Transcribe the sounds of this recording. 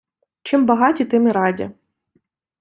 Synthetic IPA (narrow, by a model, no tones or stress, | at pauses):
t͡ʃɪmbɐɦɑtʲit̪ɪmɪɾɑdʲɐ̰